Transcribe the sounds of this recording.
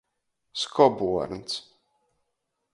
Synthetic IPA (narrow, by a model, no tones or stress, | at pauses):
skʰɔbuɔɾnt̪s